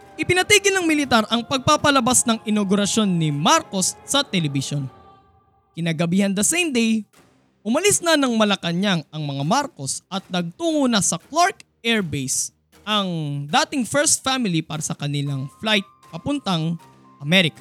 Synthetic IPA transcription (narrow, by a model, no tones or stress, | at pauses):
ʔɪpɪnɐt̪iːɡɪlnɐŋmɪlɪt̪aɾʔɐŋpɐɡ̚papɐlɐbasnɐŋɪnoɡʊɾɐsjo̞nːɪmaɾko̞sːɐt̪ɛlɛbɪʃo̞n | kɪnaːɡɐbiːhɐnd̪ɐsejmd̪ɛj | ʔʊmɐlisnɐnɐŋmɐlɐkɐɲaŋɐŋmɐŋamaɾko̞sʔɐt̪̚nɐɡ̚t̪uːŋonɐsɐklaɹkʔɛɹbejs | ʔɐŋd̪aːt̪ɪŋfɛɹst̪̚famɪlipaːɾɐsɐkɐnɪlaŋflajt̪̚pɐpʊnt̪ɐŋ | ʔɐmɛɾɪkɐ̥